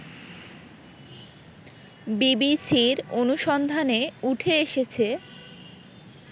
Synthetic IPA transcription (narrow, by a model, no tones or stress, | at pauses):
bibisiɾonuʃɔnd̪ʱaneuʈʰeeʃet͡ɕʰe